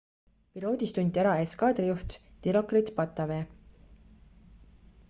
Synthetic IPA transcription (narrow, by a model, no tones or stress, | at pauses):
pilo̞ːd̪ʲist̪unʲd̪ʲiæɾɑeskɑːd̪̥rijuht̪t̪iɾo̞krit̪pɑt̪ːˑɑveː